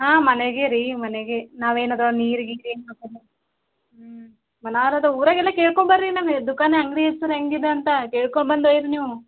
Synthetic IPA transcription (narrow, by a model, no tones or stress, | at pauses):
ɦaːmɐneɡeɾiːmɐneɡenaːʋeːnɐd̪ɾoniːɾiɡiːɾeːnmat̪ɐd̪ɐ | mɐnaːɾɐd̪ɐuːɾɐːɡɛlːɐkeːɭkoɳbɐɾɾinaːnd̪ukaːneɐŋɡɾieɾsuɾɐŋɡid̪eɐnt̪ɐkeːɭkoɳbɐnd̪ɐːjid̪ɐniːʋu